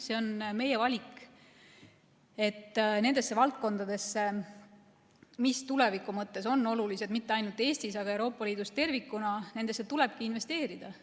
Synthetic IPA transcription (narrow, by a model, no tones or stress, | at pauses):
se̞o̞nme̞je̞vɑlʲik | e̞t̪ːne̞nd̪̥e̞sːe̞vɑlt̪̚ko̞nd̪̥ɑd̪̥e̞sːe | mist̪ule̞vikːˑumɤt̪ːe̞so̞nːo̞lulise̞d̪̥mit̪ːeɑjnult̪ːˑe̞ːsʲt̪isɑɡɑe̞wɾo̞ːpːˑɑliːd̪̥ust̪e̞rvikːˑunɑne̞nd̪e̞sːet̪ule̞b̥̚kiinve̞st̪e̞ːɾid̪̥ɑ